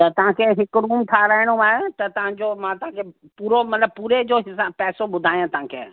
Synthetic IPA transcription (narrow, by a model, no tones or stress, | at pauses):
t̪ɐt̪ɐʋ̤ãkʰeɦɪkʊɾuːmt̪ʰaɾəɦɪɽ̃oaːet̪ɐt̪ɐʋ̤ãɲd͡ʑoːmãːt̪ɐɦãkʰe | puːɾomɐt̪ləb̚puːɾed͡ʑoːɦɪsaːbpɛːsoɓʊd̪ʱaːjãt̪ɐʋ̤ãːkʰḛː